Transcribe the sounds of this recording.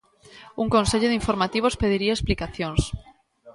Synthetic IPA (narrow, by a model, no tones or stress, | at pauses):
uŋkõnseʎoðiɱfoɾmat̪iβ̞ospeð̞iɾiaesplikaθjõŋs